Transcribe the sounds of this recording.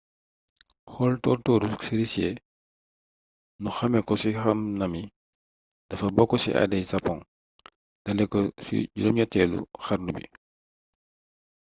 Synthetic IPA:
xɔltɔrtɔːɾusiɾisjɛ | nuxɐmɛkɔsixɐmnɐmi | d̥ɐfɐbɔkːɔsḭʔa̰dɛjsɐpːɔŋ | d̥ɐlɛkːɔsḭɟudɔmɲɐtːɛːlṵxɐɾnubḭ

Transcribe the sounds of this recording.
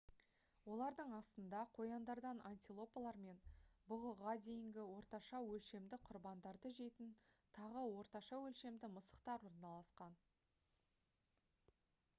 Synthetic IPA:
wo̞lˠɑɾd̪əɴɑst̪ənd̪ɑqʰo̞jɑnd̪ɑɾd̪ɑnanʲt̪ʲilˠo̞palˠɑɾme̞nbʊʁəʁɑd̪e̞jɪŋɡʲɪwo̞ɾt̪ɑʃɑwɵlʃe̞md̪ɪqʰʊɾbɑnd̪ɑɾd̪əʒe̞t̪ɪnt̪ʰɑʁəwo̞ɾt̪ɑʃɑwɵlʃe̞md̪ɪməsə̥qt̪ɑɾwo̞ɾnɑlˠɑsqɑn

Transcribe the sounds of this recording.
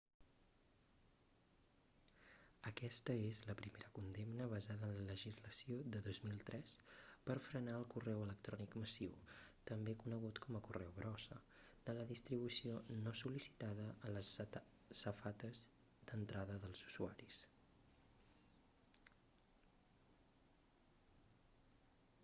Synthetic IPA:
əkɛst̪əezləpɾimeɾəkund̪emnəβəzaðəːnlələʒizləsiod̪əðozmilˠt̪ɾʔɛspəɾfɾənaəlˠkurɛwələkt̪ɾɔnikməsiwt̪əmbekunəɣut̪kʰɔməkurɛwβɾɔsəd̪̥ələðist̪ɾiβ̞usionosulisi̥t̪aðəʔələsː | əfat̪əz | d̪̥ənt̪ɾaðəðəlˠzuzuaɾis

